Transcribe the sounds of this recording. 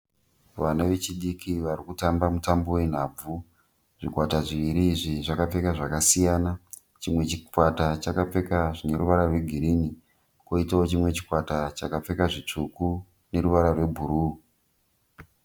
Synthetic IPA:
ʋanaʋe̞t͡ʃiɗikʰiʋaɾikutambamutambo̞we̞n̤ab͡vu | ʐ̥ikwataʐiʋiɾiːʐiʐakap͡fe̞kaʐakasijana | t͡ʃimwe̞t͡ʃikwatat͡ʃakap͡fe̞kaʐine̞ɾuʋaɾarwe̞ɡʱiɾini | koitaot͡ʃimwe̞t͡ʃi̥kwatat͡ʃakap͡fe̞kaʐit͡ʂuku | ne̞ɾuʋaɾarwe̞bʱuɾuː

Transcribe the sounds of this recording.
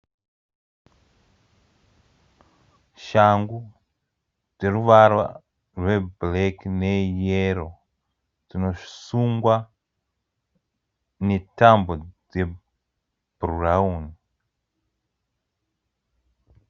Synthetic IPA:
ʃaŋɡu | d͡ze̞ɾuʋarwa̰ | rwe̞bleknejeɾo | tino̞ʃsuŋɡwa | netambod͡ze | b̥rurauni

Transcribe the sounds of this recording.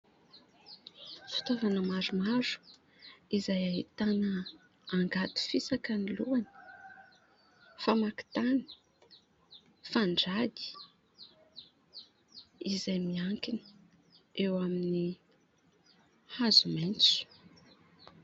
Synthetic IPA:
fi̥t̪avanəmaɾumaɾu̥ | izajaɦit̪anə | aŋɡat̪u̥fisakəniluani̥ | famaki̥t̪ani̥ | faɳɖ͡ʐad̪i̥ | izajmiaŋkinə̥ | ewamini | hazument͡su̥

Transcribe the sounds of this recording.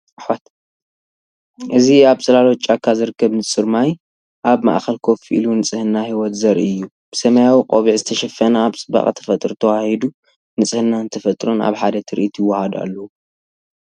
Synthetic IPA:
ʔaħwat̪ | ʔɨziaβsʼɨlalot͡ʃʼːakʰːazɨɾɨkʰːɐβnɨsʼɨɾmaj | ʔaβma̰ʔxɐlkʰofiʔilunɨt͡sʼɨhɨnːahiwɔt̪zɐɾiɨjːu | b̥ɨsɐmɐjawiqʼoβiʕzɨt̪ʰɐʃɐfːɐnaːβt͡sʼɨba̰χʼt̪ʰɐ̥fɐt̪ʼɾt̪ʰɐwahid̪u | nɨt͡sʼɨhɨnːaɨnt̪ʰɐfɐt̪ʼɾona̰βħad̪ɐt̪ʰɨɾɨ̰ʔit̪ʰjɪwːahad̪a̰lːɐwu

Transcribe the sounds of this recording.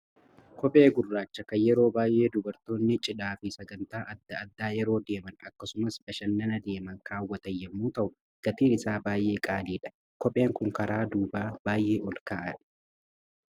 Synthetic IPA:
kɔpʼe̞ːɡʊrːaːt͡ʃːɐkɐjɛɾo̞ːbaːjʔe̞ːd̪ʊbɐɾt̪o̞ːnːɪt͡ʃʼɪᶑaːfɪsɐɡɐnt̪aːʔɐd̪ːɐɐd̪ːaːjɛɾo̞ːd̪e̞ːmɐnɐkːɐsʊmɐsbɐʃɐnːɐnɐd̪e̞ːmɐŋkʰaːwːɐt̪ɐjːɛmːuːt̪ɐʔʊ | ɡ̥ɐt̪iːnɪsaːbaːjʔe̞ːkʼaːliːᶑɐ̥ | kɔpʼe̞ːŋkʊŋkɐɾaːd̪uːbaːbaːjʔe̞ːʔɔlkaːʔɐᶑɐ̥

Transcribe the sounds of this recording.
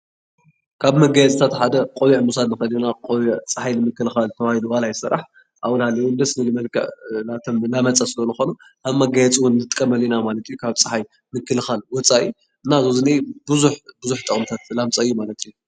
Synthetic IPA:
kʰaβmɐɡajɛt͡sʼt̪ʰat̪ħad̪ɐqʼowiʕmusad̪nɨxɐlinakʼowiʕt͡sʼɨħajnɨmɨkːɨlɨxalt̪ʰɐwahid̪uwalajɪsɨ̰ɾːa̰ħ | ʔawnhalːɐjnd̪ɐsnɨlɨmɐlkʰɐ̰ʔnat̪ʰɐmlamɐt͡sʼasɨlɐnɨxo̞nu | kʰaβmɐɡajɛt͡sʼiwʊnːɨt̪ʼkʼːɐmɐlinamalɐt̪ʰɨjukʰaβt͡sʼɨ̥ħaj | mɨkːɨlɨxalwɔt͡sʼaʔi | ɨnːazozɨnibɨzuħbɨzuħt̪ʼɨχʼmt̪ʰat̪lamt͡sʼaɨjːumalɐt̪ʰɨju

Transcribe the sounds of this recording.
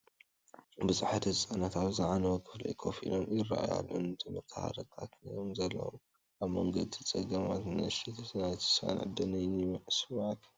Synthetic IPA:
bɨzaħat̪hɨsʼanat̪aβzɨʕanɐwɐkʰɨflɐ̰jkʰofḭlomɪra̰ʔaja̰lʔunɨt̪ʰɨmɨk̪ʰaha̰ɾɐt̪ʰʼa̰kʰnjomzɐlːɐ̰wo̰m | ʔaβmɐŋɡɐd̪it͡sʼɐɡɐmat̪nɐʃit̪ʰsnajt̪ɨ̥sa̰nʕɨ̰d̪ɐnɐjnimɐʕsɨβat̪ʰ

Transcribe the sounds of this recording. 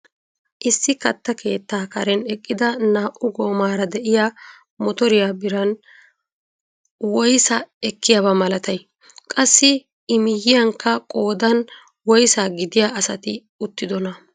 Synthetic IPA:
ʔɪsːɪkɐt̪ːɐkʰe̞ːt̪ːaːkɐɾɛnɛkʼːɪd̪ɐnaːʔʊɡo̞ːmaːɾɐd̪ɛʔɪja | mɔt̪ɔɾɪjaːbɪɾɐn | wɔjsɐɛkːɪjɐbɐmɐlɐt̪ɐj | kʼɐsːɪ | ɪmɪjːɪjɐŋkːɐkʼo̞ːd̪ɐn | wɔjsaːɡɪd̪ɪjaːʔɐsɐt̪ɪ | ʊt̪ːɪd̪ɔnɐ

